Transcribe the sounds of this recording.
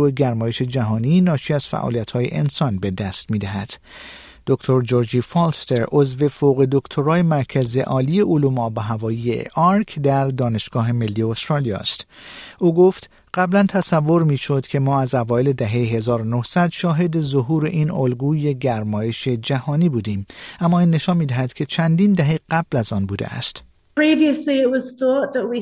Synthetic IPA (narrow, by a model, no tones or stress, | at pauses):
ueɡæɾmɒːjeʃe̞d͡ʒæɦɒːniːnɒːʃiːæz̥fæ̰ʔɒ̰ːlijæt̪ʰhɒːje̞̰ʔensɒnbe̞d̪æst̪miːd̪æɦæd̪̥ | d̪̥okt̪ʰo̞ɾd͡ʒoɾd͡ʒiːfɒlst̪eɾʔo̞zve̞foɣe̞d̪o̞kʰt̪ʰoɾɒːjemæɾcʰæzḛʔɒːliːjeʔolumɒːbæɦævɒːjijḛʔɒɾkʰd̪æɾd̪ɒːne̞ʃɡ̥ɒːɦe̞me̞lːiost̪ɾɑlijɒ̰ːst̪ | ʔoːɡoft̪ | ɢ̥æblænt̪ʰæsævːo̞ɾmiːʃo̞d̪̥cʲʰe̞mɒːæzævɒːele̞d̪æɦe̞jeɦe̞zɒːɾonohsæd̪ʃɒːɦe̞d̪e̞zoɦuːɾeʔiːnolɡuːje̞ɟæɾmɒːje̞ʃe̞d͡ʒæhɒːniːbuːd̪iːmʔæmːɒːiːnːe̞ʃɒnmiːd̪æɦæd̪kʲʰe̞t͡ʃʰænd̪iːnd̪æɦeɡæblæzɒːnbuːd̪ḛæ̰st̪ | pʰɹ̥iːviəsliɪʔwɒz̥θɔˑʔðəʔwi